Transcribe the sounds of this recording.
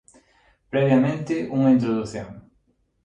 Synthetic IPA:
pɾɛβjamẽnt̪ɪʔuŋɐĩnt̪ɾoðuθjõ̰ŋ

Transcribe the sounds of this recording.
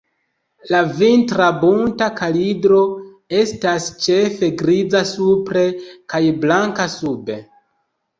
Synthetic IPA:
lavintɾabuntakʰalidɾo̞ | e̞stast͡ʃe̞fe̞ɡɾid͡zasupɾe̞kajblaŋkasube̞

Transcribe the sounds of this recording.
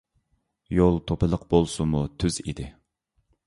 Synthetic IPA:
jolˠt̪ʰopɨlˠəqbolˠsumut̪ʰyzḭd̪ɪ

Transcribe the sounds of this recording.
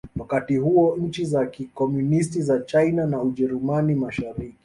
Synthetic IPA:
wakatihuɔɲ̩t͡ʃizakikɔmunistizat͡ʃajnanauʄɛɾumanimaʃaɾiki

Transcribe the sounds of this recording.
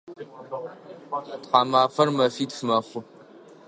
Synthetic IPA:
tqaːmaːfɐrmɐfiːtfɨmɐχʷʊ

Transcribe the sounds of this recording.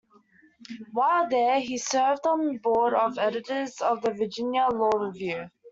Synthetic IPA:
waɪlˠðəisɜːvd̃n̩əbɔːɾəvɛɾɪtəzɔvðəvəd͡ʒɪ̃njəlɔːɹɪvjʉ

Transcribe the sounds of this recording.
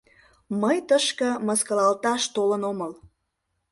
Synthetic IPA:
məjt̪əʃkə̆məskəlɑlt̪ɑʃt̪olənoməl

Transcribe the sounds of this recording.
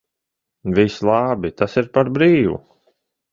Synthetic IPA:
vislˠɑːbit̪asiɾpaɾbɾiːvṵ

